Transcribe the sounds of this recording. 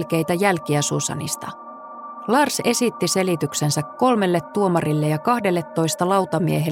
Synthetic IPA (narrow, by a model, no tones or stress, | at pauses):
lk̟e̞jt̪æjælkiæsusɑ̰nḭst̪ɑ̰ | lɑrse̞sit̪ːise̞lit̪yksensækko̞lme̞lːe̞t̪ːuomɑrilːejɑkɑhde̞lːet̪ːo̞jst̪ɑlɑwt̪ɑmieɦe